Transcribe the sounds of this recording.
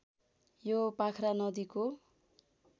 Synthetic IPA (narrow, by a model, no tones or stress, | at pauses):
jopakʰɾanʌd̪iko